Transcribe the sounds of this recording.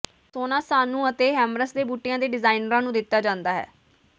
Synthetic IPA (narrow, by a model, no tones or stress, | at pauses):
soːnãːsaːnũːət̪eːɦɛːmɾəsd̪eːbuːʈːɪjãːd̪eːɖɪzaːinɾãːnũːd̪ɪt̪ːaːd͡ʒãːnd̪aːɦɛ̰ː